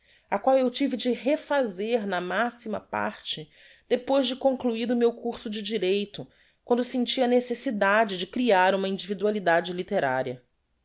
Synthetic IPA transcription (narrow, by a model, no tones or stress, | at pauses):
akwawewt͡ʃivɪd͡ʒɪɦefazeɾnɐmasimɐ̰pa̰ɾt͡ʃɪ | d̪̥epojzd͡ʒɪkõŋkluiɾʊmewkuɾsʊd͡ʒɪd͡ʒiɾejt̪ʊ | kw̃nd̪ʊsẽnt͡ʃiɐnesesid̪ad͡ʒɪd͡ʒɪkɾiaɾũmɐĩnd͡ʒivid̪ualid̪ad͡ʒɪlit̪eɾa̰ɾiɐ